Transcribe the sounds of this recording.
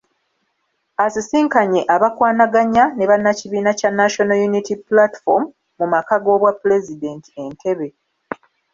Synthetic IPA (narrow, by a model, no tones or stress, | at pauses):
asisiːŋkaɲe̞ʔaβakwaːnaɡaɲane̞βanːaciβiːnacanːaʃo̞nojunitiplati̥fomː | umakaɡo̞ːβwapːule̞zide̞ːnti̥e̞ntʰe̞βe̞